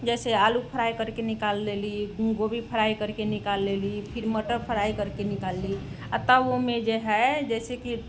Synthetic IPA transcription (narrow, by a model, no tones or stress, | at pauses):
d͡ʒɛsealupʰəɾaikəɾkenikalːeliɡobipʰəɾaikəɾkenikalːelipʰiɾməʈəɾpʰəɾaikəɾkenikalːi | ət̪abomed͡ʒeɦɛd͡ʒɛseki